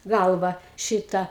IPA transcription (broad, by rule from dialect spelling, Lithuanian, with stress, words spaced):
ˈɡɐlˠʋɐ ˈʃʲɪtɐ